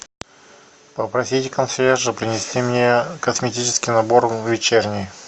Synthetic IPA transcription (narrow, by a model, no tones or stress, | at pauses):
pəpɾɐsʲitʲɪkɐnslʲeʐɨpɾʲɪnʲɪsʲtʲimnʲekəsmʲɪtʲit͡ɕɪ̥skʲɪjnɐborvʲɪt͡ɕernʲɪ